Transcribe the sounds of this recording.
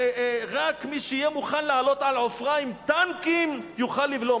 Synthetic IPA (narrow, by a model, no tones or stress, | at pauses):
ʁakmiʃeijemuχanlealo̞t̪ʕalʕofʁaimt̪ankimjuχalːivlo